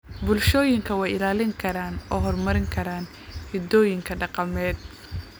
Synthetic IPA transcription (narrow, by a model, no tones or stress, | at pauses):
bʊlʃɔːjɪŋkʰɐwɑːjɪlaːlɪŋkʰɐɾaːnɔːɦɔrmɐɾɪŋkʰɐɾaːn | hɪd̪ɔːjɪŋkʰɐɖɑqɑmɛːd̪̚